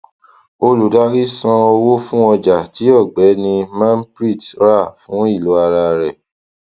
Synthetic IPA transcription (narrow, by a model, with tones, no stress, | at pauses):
o˧lu˨da˨˦ɾi˦sã˧o˧wo˦fũ˦ɔ˧d͡ʒa˨ti˨˦ɔ˦˨ɡ͡bɛ˨˦nĩ˧mã˦n˦pɾi˦˨tɾa˦˨fũ˨˦i˦˨lu˨˦a˧ɾa˧ɾɛ˨